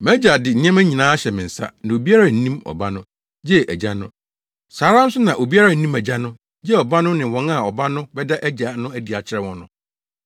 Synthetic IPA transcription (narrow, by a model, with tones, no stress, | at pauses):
mæ˦d͡ʑa˨dɪ˨n̩˨ɪ̃˦ɛ̃˦mæ˦ɲĩ˨nãː˦ɕɛ˨mɪ̃˨n̩˨sa̰˦nã˨o˨bi˦a˦ɾa˨n̩˦nĩ˦mɔ̰˨ba˦nʊ̃˦ | d͡ʑɛ˦ʔæ˨d͡ʑa˦nʊ̃˦ | saː˨˦ɾa˦n̩˦sʊ˦nã˨ʔo˨bi˦a˦ɾa˦n̩˦nĩ˦mæ˨d͡ʑa˦nʊ̃˦ | d͡ʑɛ˦ɔ˨ba˦nʊ̃˦nɪ̃˨wɔ̃˨˦na˦˨ɔ˨ba˦nʊ̃˦bɛ˦da˦ʔæ˦d͡ʑa˨nʊ̃˦æ˦˨di˨a˨t͡ɕʰɪ˨˦ɾɛ˦wɔ̃˦nʊ̃˦